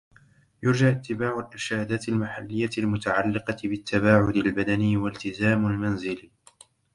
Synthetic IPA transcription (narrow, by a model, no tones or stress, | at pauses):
jʊɾd͡ʒaʔʊt̪ːɪbaːʕʊlʔɪɾʃaːd̪aːt̪almaħalːɪjːalmʊt̪aʕalːɪqɑbɪt̪ːabaːʕʊd̪albad̪aniwalt̪ɪzaːmalmanzɪl